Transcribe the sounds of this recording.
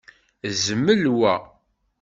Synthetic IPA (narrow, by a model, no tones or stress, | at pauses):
zəmːəlwæ